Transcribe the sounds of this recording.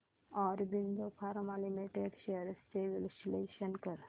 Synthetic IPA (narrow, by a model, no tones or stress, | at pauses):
ɔɾbind̪opʰaɾmalimiʈeɖɕeɾst͡ɕeʋeluɕileɕənkəɾ